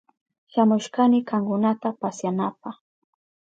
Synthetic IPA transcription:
ʃamʊʃkanɪkaŋkʊnat̪apasjanapaχ

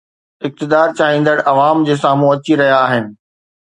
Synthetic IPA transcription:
ɪk̚t̪ɪd̪aːɾt͡ɕaːɦĩːnd̪əɽʔɐʋaːmd͡ʑeːsaːmũɐt͡ɕiɾɐɦjaːɦɪnɪ̆

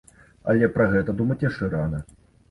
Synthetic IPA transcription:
ɐ̰lʲɛpɾɐɣɛt̪ɐd̪umɐt͡sʲjɐʂt͡ʂɛɾanɐ

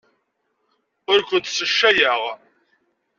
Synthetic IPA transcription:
ʊɾkʷənt̪səʃːæjəʁ

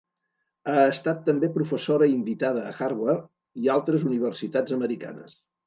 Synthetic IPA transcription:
aəst̪at̪ːəmbepɾufəsoɾəimbit̪að̞əːxarβar | ialˠt̪ɾəzuniβ̞ərsit̪ad͡zəməɾika̰nə̰s

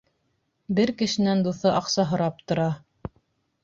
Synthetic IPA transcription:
bɘɾkɘ̆ʃɘ̆nænd̪uθɤʔɑqsɑɦɤ̆ɾɑp̚t̪ŏɾɑ

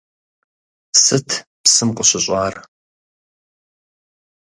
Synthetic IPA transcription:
sɨtʰpsɨmqʷʼʊɕɐɕʷʼaːr

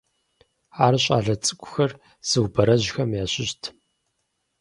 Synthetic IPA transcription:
aːrɕʼa̰ːɮɐt͡sʼɨkʷʼʊ̥xɐr | z̥ɨwbɐɾɐʑxɐmjaːɕɪɕtʰ

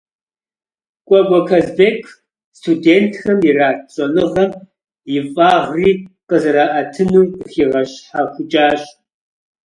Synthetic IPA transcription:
kʷʼɔɡʷɔkʰɐzbeːkʰ | stʰudeːntʰxɐmjɪraːɕʼɔlɨʁɐm | jɪfʼaːʁriːqəzɐɾaːʔɐtʰɨnuːxiːʁɐɕħaxʷʊt͡ʃʼaːɕ

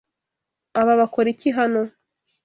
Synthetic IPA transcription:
aβaβakoɾiciɦano

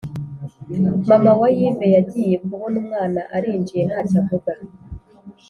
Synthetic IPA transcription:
mamawajivejaɟijebɡuhonumŋaːnaʔaɾiːnd͡ʒije̞nhacavuɡa

